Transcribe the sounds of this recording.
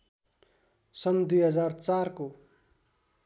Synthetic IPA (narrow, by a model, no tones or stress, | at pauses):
sʌnd̪ujɦʌd͡zart͡sarko